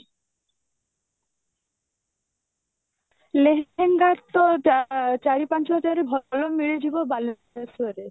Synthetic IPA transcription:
leɦeŋɡat̪ːoat͡ɕaɾipant͡ɕɔɦɔd͡ʑaɾebʱɔlomiɭed͡ʑʱibobal | esueɾe

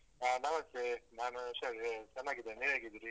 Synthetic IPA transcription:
anɐmɐst̪enaːnusɐt͡ʃɐnːaːɡid̪eniːɾaːɡid̪iɾi

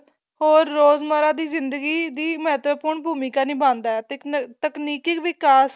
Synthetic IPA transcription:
ɦoːɾːoːzməɾãːd̪iːzɪnd̪əɡiːd̪iːmɛːt̪ʋəpʊɾɳbʱuːmiːkaːnĩːbãːnd̪aːɛːt̪ːt̪əkniːkɪkʋɪkaːs

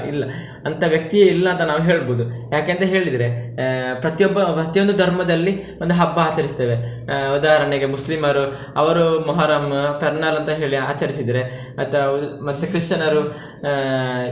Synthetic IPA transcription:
ilːɐ | ɐnt̪ʰɐʋjɐk̚t̪ijeilːɐːnt̪ɐnaːʋuɦe̞ːɭboːd̪ujaːkeːnt̪ɐɦe̞ːɭid̪ɐɾepɾɐt̪jɔbːɐpɾɐt̪ijo̞nd̪ud̪ʱɐɾmɐd̪ɐlːi | ond̪uɦɐbːɐaːt͡ʃɐɾist̪eːʋeud̪aːɦɐɾɐɳeɡemuslimɐɾu | ɐʋɐɾumɔɦaːɾaːmpɛɾɳaɾɐnt̪ɐɦe̞ːɭia̰ːt͡ʃɐɾisid̪ɐɾe | ɐt̪ɐmɐt̪ːukɾiʂʈɐnɐɾu

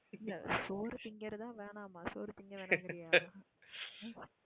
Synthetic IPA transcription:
ɪlːɐ̰soːɾt̪ɪŋɡɐɾt̪ãːʋeːɳãːmaːsoːɾt̪ɪŋɡɐʋeːnːŋɡɪɾɪjaː

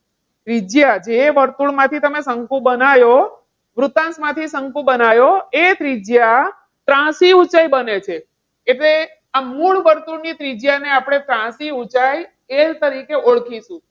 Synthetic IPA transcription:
t̪ɾid͡ʒjad͡ʒeʋəɾt̪uɭmãt̪ʰit̪əmesəŋkũbənajo | ʋɾut̪ãnsmãt̪ʰisəŋkũbənajoet̪ɾid͡ʒja | t̪ɾãsiut͡ʃajbənet͡ʃʰeː | ʈle | amːuɭʋəɾt̪uɽnit̪ɾid͡ʒjaneapɽ̃et̪ɾãsiut͡ʃaj | elt̪əɾikeoɭkʰiʃũ

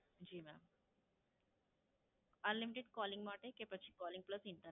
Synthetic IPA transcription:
d͡ʑiːmɛm | ənlimiʈeɖkɔliŋɡmaʈekepət͡ɕʰiːkɔliŋɡ̚pləsint̪ə

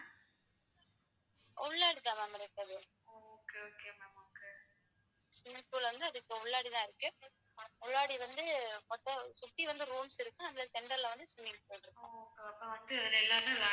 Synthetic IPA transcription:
ʊɭːaːɽit̪ːaːmɐmɐɾɯkːɐðɯ | oːkːeoːkeɐmamke | sʊnːɪnpuːlʋɐnd̪ɯɐðɯkːɯʊɭːaːɽit̪ãːɪɾɯkːɯ | ʊɭːaːɽiʋɐnd̪ɯmɔt̪ːɐ̃sʊt̪ːiʋɐnd̪ɯɾuːmsɪɾɯkːɯ̃ɐnlɐsɛɳɖɐɾlɐʋɐnd̪ɯsʊmːɪnpoːjʈɪɾɯkːõ̰oːkeɐpːɐ̃ʋɐnd̪ɯɐðɪlɐɛlːaːnɯlaː

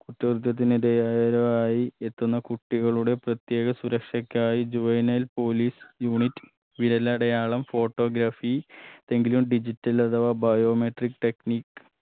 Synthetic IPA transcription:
kuʈːɐrut̪̬jɐt̪̬ːinid̪ejaːjɐɾɐaːjiet̪ːunːɐkuʈːiɣɐɭuɽe̞prɐt̪je̞ːɣɐsuɾɐkʂɐkʲːaːjid͡ʑuʋɐjnɐlpo̞ːliːsjuːɳitːɨ̥ | ʋiɾɐlːaɽɐjaːɭɐmfo̞ːʈːo̞ːɡɾaːfit̪e̞ŋɡilumɖid͡ʑitːɐlɐt̪ʰɐʋaːbɐjo̞ːmeʈrikːʈe̞kniːkːɨ

